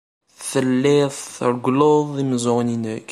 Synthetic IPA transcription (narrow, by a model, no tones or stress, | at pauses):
θəlːɪðˤθəɾˤɡloðˤimzoʁninək